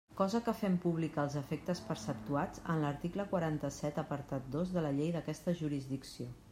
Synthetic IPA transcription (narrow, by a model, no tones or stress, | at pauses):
kɔzəkəfɛmpuβlikaːlˠzəfek̚t̪əspəɾsəp̚t̪uat͡sə̰nləɾt̪ikləkwəɾant̪əsɛt̪əpəɾt̪at̪̚d̪ozðələʎejðəkɛst̪əʒuɾizðiksio